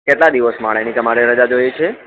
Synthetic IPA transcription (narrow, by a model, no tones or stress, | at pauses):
keʈlad̪iʋəsmaɭenit̪əmaɾeɾəd͡ʒad͡ʒojet͡ʃʰe